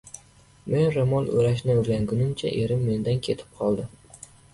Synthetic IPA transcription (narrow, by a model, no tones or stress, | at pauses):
me̞nɾɪmɒlˠɵ̰ɾaʃ̬nɪoɾɡʲaŋɡʊnɪmt͡ʃʰa̰ʔe̞ɾɪmːe̞nd̪ankʲʰe̞t̪ʰɪ̥p̚qʰɒlˠd̪ɪ